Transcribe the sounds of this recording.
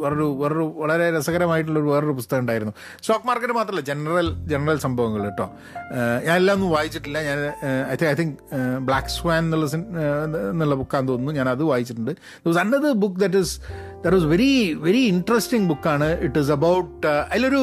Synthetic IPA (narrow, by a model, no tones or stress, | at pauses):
ʋɐɾoɾuʋeɾɐɾuʋɐɭɐɾe̞ɾɐsɐɣɐɾɐmaːjiʈːuɭːɐo̞ɾuʋɐrɐoɾupust̪ɐɣɐuɳɖaːjiɾunːu | sʈoːkmaːrkːɐnemaːt̪rɐilːɐd͡ʑenɐrɐld͡ʑenɐrɐlsɐmbʱɐʋɐŋːɐɭeʈːo̰ː | ɲaːnelːaːmenːumʋaːjit͡ɕːiʈ̬ːilːɐɲaːnɐjt̪ʰiɐjt̪ʰiŋkbɭaːksʋaːnenːuɭːɐs | nːuɭːɐbukːaːnd̪onːuɲaːnɐðɨʋaːjit͡ɕːiʈːuɳɖɨ | d̪ɐposɐnɖɐðɨbukːd̪ɐʈ̬ːis | d̪ɐʈisʋe̞ɾiʋe̞ɾiːɳʈrɐsʈiŋɡbukːaːɳɨiʈːis̬ɐbɐwʈɐðilːoɾu